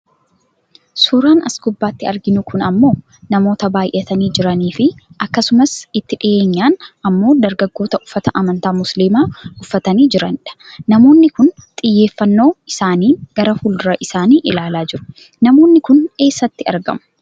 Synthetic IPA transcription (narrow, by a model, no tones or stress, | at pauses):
sʊɾaːnɐ̰sɡʊbːaːt̪ːɪɐɾɡɪnʊkʊnɐmːo̞ː | nɐmo̞ːt̪ɐbaːjʔɛt̪ɐniːd͡ʒɪɾɐniːfɪʔɐkːɐsʊmɐsɪt̪ːɪᶑɪʔe̞ːɲːaːnɐmːo̞ːd̪ɐɾɡɐɡːo̞ːt̪ɐʔʊfːɐt̪ɐʔɐmɐnt̪aːmʊslimaːʊfːɐt̪ɐniːd͡ʒɪɾɐnᶑɐ̥nɐmo̞ːnːɪkʊnt̪ʼɪjːe̞ːfːɐnːo̞ːɪsaːniːɡ̥ɐɾɐhuːld̪ʊɾɐʔɪsaːniːʔɪlaːlaːd͡ʒɪɾʊ̥ | nɐmo̞ːnːɪkʊne̞ːsːɐt̪ːɪɐɾɡɐ̰mʊ̥